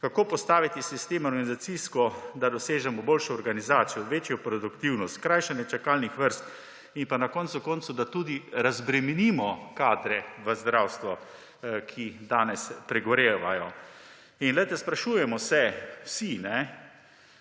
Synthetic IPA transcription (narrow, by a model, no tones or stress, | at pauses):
kakoːpɔst̪aːʋit̪isist̪eːmɔɾɡanizat̪siskɔd̪ad̪ɔseːʒɛmɔboːlʃɔːɾɡanizaːt̪sijɔʋeːt͡ʃjɔpɾɔd̪ukt̪iwnɔst̪kɾajʃɛnjɛt͡ʃakaːlnixʋəɾst̪ | inpanakɔnt̪sukɔnt̪sud̪at̪uːd̪iɾazbɾɛminimɔkaːd̪ɾɛʋəzd̪ɾawst̪ʋɔ | kʰid̪aːnɛspɾɛɡɔɾeːʋajɔ | inlɛjt̪ɛspɾaʃuːjɛmɔsɛwsinɛ